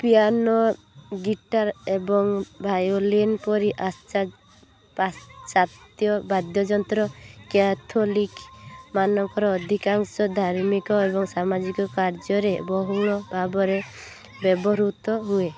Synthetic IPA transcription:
pijanɔ | ɡiʈaɾebɔŋbʱajolinpɔɾiʔast͡ʃa | pat͡ʃat̪jɔbad̪jɔd͡ʒɔnt̪ɾɔkat̪ʰolikmanɔŋkɔɾɔːd̪ʱikaŋsɔd̪ʱaɾmikɔebɔŋsamad͡ʒikɔkaɾd͡ʒɔɾebɔɦuɭɔbʱabɔɾe | bɛbɔɾut̪ɔɦue

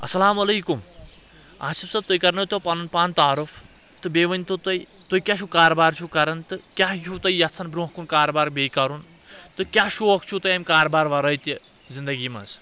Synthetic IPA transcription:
ɐ̰sɐlaːmɐlejkum | a̰sibsɐb̚t̪ojkɐɾnɐt̪opanunpaːnt̪aɦɾopʰ | t̪ɨbeʋɐnʲt̪ot̪ɐjt̪ojkʲasʰukaːɾɐbaɾt͡sʰukaːɾɐnt̪ɨkʲajʰut̪ɐjːat͡sʰɐnbɾõɦkunkaːɾbaɾbekaɾun | t̪ɨkʲaʃuok̚t͡ʃʰut̪ɐjamʲkaːɾbaɾʋaɾʌjt̪i | d͡zind̪ɐɡima̰t͡s

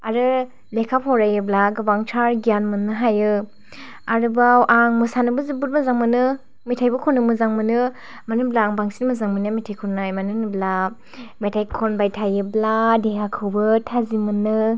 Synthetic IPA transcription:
aɾɯ | lekʰaphɔwɾajɯblaɡɯbaŋtʰaɾɡijanmɯnːɯɦajɯ | aɾɯbawʔaŋmɯsanɯbɯzibuɾmɯzaŋmɯnɯ | mitʰajbɯkʰɔnːɯmɯzaŋmɯnɯ | manɯblaːŋbaŋsinmɯzaŋmɯnɯmitʰajkʰɔnːajmanɯnɯbla | metʰajkʰɔnbajtʰajɯbladeŋakʰɯwbɯtʰazimɯnːɯ

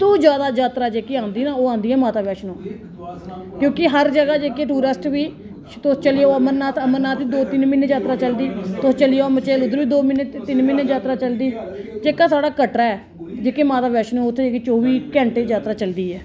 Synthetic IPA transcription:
t̪ũːd͡ʒjaːd̪aːd͡ʒjaːt̪ɾaːd͡ʒeːkiːãːnd̪iːnaːoːãːnd̪iːɛːmaːt̪aːʋɛːʃnõː | kjõːkɪɦəɾd͡ʒəɡaːd͡ʒeːkeːʈuːɾəsʈʋiː | t̪ʊst͡ʃəljoːəməɾnaːt̪ʰəməɾnaːt̪iːd̪oːt̪ɪnmɪnːeːd͡ʒaːt̪ɾaːt͡ʃəld̪iːt̪ʊst͡ʃəlɪjoːmət͡ʃeːlʊd̪əɾʋiːd̪oːmɪnet̪ɪnmɪnːeːd͡ʒaːt̪ɾaːt͡ʃəld̪iːd͡ʒeːkaːsaːɽaːkəʈɾaːɛː | d͡ʒeːkeːmaːt̪aːʋɛːʃnõːʊt̪ʰːeːd͡ʒeːkeːt͡ʃoːʋiːkɛ̃ːɳʈeːd͡ʒaːt̪ɾaːt͡ʃəld̪iːɛː

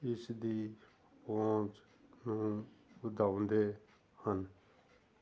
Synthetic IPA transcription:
ɪsd̪iː | põːt͡ʃ | nũːbəd̪ʱaːʊnd̪eː | hən

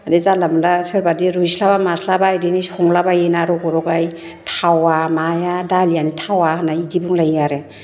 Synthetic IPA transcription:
adizalamlasɯɾbadiɾujslabamasʰlabajdinishɔŋlabajenaɾɔɡɔɾɔɡaj | tʰawamajadalijanitʰawanaidibuŋlajaɾe

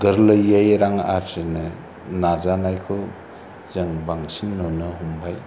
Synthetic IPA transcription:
ɡɯɾlɯjajɾaŋa̰ɾtinɯ | nazanajkʰɯ | zɐŋbaŋsinːonɯɦumbʱaj

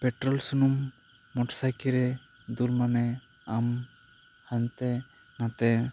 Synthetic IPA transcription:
pɛʈɾɔlsunumːɔʈsajkiɾɛd̪ulmanɛam | hant̪ɛ | nat̪ɛ

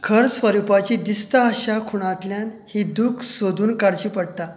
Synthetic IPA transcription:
kʰəɾsʋəɾupat͡ɕid̪ist̪aəɕakʰuɽ̃at̪ljãn | hid̪ukʰsod̪ʱuːnkaɽt͡ɕiːpəɽt̪a

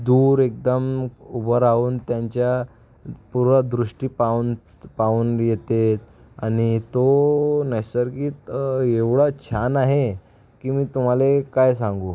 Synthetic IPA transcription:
d̪uɾek̚d̪əmubəɾauːnt̪jaɲt͡ɕja | puɾʋad̪ɾuʂʈiːpaun | pauːnjet̪et̪ | aɽ̃it̪onəjsəɾkiːeʋɽat͡ɕʰanaɦe | kiːmiːt̪um̤alekajsãŋɡuː

